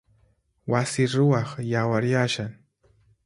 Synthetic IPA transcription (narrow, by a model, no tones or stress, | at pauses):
wasɪɾʊwɑχjawaɾjaʃaŋ